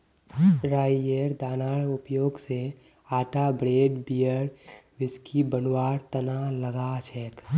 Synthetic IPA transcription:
ɾaːeɾd̪aːnaːɽʊpjoːɡse | aːʈabɾeːɖbiəɾʋɪskʰibənwaːɾt̪ənaləɡat͡ʃʰɛk

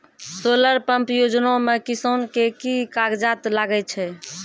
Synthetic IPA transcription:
soləɾpəmpjod͡ʒnomekisonkekikaɡd͡ʒat̪laɡɛt͡ʃʰɛ

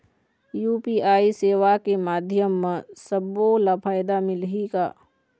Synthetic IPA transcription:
juːpiːaːiseːʋakemaːd̪ʱjəmːesəbolapʰaːjd̪amɪlɦika̰ː

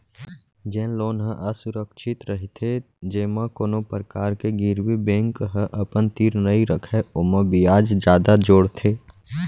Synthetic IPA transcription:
d͡ʒɛ̃ːnloːnɦə̃ʔəsʊɾəkʃʰɪt̪ɾəɦit̪ʰe | d͡ʒeːmãkoːnopəɾəkaːɾkeɡiɾwibẽːŋkɦə̃ʔəpənt̪iːɾnəiɾəkʰɛoməbijaːd͡ʒd͡ʒjaːd̪ad͡ʒoːɽt̪ʰeː

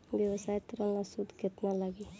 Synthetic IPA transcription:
bjewəsajt̪ɔɾənlasud̪ʱket̪nalaɡi

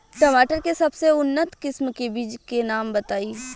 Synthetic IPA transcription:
ʈɐmaːʈəɾkesɐbseʊnːət̪kɪsmkebiːd͡ʒkenaːmbɐt̪aːiː

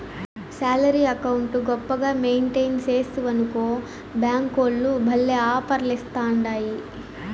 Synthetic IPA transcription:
saːlɐɾiːɐkɐwuɳʈuɡɔpːɐɡaːmeːɳʈejnt͡ʃe̞ːst̪uʋɐnukoː | bjaːŋkoːlːubʱɐlːeːaːpɐɾɐlist̪aːuɳɖaːji

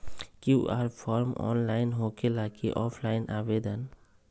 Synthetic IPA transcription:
kiuʔa̰ɾpʰɔɾmɔ̰nlaɪnɦokelakiʔɔpʰlajnabed̪an

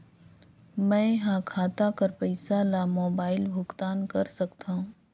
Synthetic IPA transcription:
mɛ̃ːɦãkʰaːt̪akɐɾpɛɪsalamoːbaːɪlbʱʊkt̪aːnkɐɾsɐkt̪aɦũː

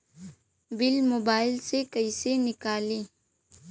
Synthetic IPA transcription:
bɪlmoːbaːɪlsekɐisenɪkaːlẽː

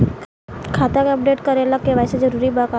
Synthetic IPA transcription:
kʰaːt̪akeɐp̚ɖeːʈkɐɾelakkːeʋaːsed͡ʒɐɾuːɾibaka

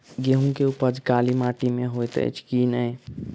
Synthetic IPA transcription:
ɡeɦũkeupəd͡ʒkalimaʈimeɦojt̪ə̰jt͡ʃʰkinəj

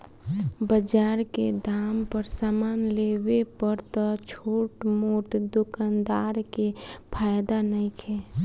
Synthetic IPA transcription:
bəd͡ʒaːɾked̪aːmpəɾsaːmaːnleːwepəɾt̪ɔt͡ʃʰoːʈmoːʈd̪ʊkand̪aːɾkepʰaːjd̪anəɪkʰɛː

